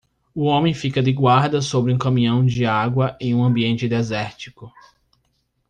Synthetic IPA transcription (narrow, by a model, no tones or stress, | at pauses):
ʊõmẽj̃fikɐd̪ɪɡwaɾd̪ɐsobɾɪũkɐ̃mĩɲɐ̃w̃d͡ʒɪaɡwɐʔẽj̃ũɐ̃mbiẽnt͡ʃɪd̪ezɛɾt͡ʃikʊ